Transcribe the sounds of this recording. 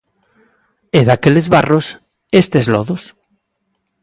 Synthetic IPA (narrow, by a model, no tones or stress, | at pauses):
eðakelezβaros | est̪ezlɔðos